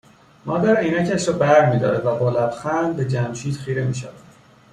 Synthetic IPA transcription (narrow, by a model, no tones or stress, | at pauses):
mɒːd̪æɾiːnæcʰæʃɾɒːbæɾmiːd̪ɒ̰ːɾevæbolæb̪xælbe̞d͡ʒæmʃiːd̪̥xiːɾe̞miːʃævæd̪̥